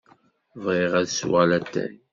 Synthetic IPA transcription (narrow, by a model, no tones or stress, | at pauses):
vʁeʁæðswalæt̪ːæ̰j